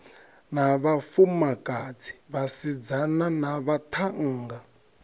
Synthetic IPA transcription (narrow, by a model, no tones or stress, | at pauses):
naβafumakʼad͡zʰi̥βasid͡zananaβat̪ʰaŋ̩ːŋɡa